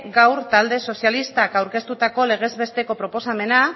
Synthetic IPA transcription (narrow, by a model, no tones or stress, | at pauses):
ɡawɾt̪ald̪e̞so̞sjalist̪akawɾke̞st̪ut̪ako̞le̞ɣ̞e̞zβe̞st̪e̞ko̞pɾo̞po̞same̞na